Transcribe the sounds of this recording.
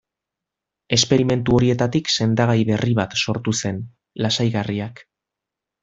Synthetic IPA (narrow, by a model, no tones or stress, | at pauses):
e̞spe̞ɾime̞nt̪uo̞ɾie̞t̪at̪ikse̞nd̪aɣ̞ajβe̞riβat̪so̞ɾt̪use̞n | lasajɣariak